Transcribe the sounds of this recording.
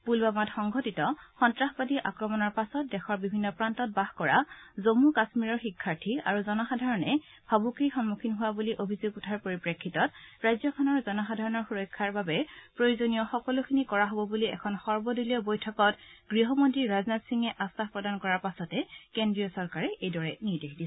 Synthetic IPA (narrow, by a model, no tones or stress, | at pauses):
pulbamatxɔŋɡʱotitɔxɔntɹaxbadiʔa̰kɹɔmɔnɔɹpasɔt̚dɛxʰɔɹbibʱinːɔpɹantɔt̚bahkɔɹa̰zomukasmiɹɔɹxikʰːaɹtʰia̰ɹuzɔnɔxadʱaɹɔnɛ | bʱabukɹixɔnmukʰinɦʊwabuliʔobʱizoɡutʰaɹpoɹipɹekʰːitɔtɹajzɔkʰɔnɔɹzɔnɔxadʱaɹɔnɔɹxuɹɔjkʰːaɹbabɛpɹojuzonijɔxɔkɔlukʰinikɔɹaɦobɔbuliɛ̰kʰɔnxɔɹbɔduliɔbojtʰɔkɔtɡɹiɦɔmontɹiɹaznatsiŋɛʔastaxpɹɔdankɔɹaɹpasɔtɛkendɹijɔsɔɹkaɹɛʔejdɔɹɛniɹdexdiɛ